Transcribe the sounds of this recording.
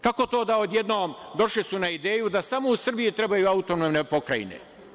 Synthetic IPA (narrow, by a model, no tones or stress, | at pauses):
kako̞t̪o̞ːd̪aod̪je̞d̪noːmd̪o̞ʃlisunaid̪e̞ːjud̪asamousr̩bijit̪ɾe̞bajuaut̪onomnepo̞kɾajḭnḛ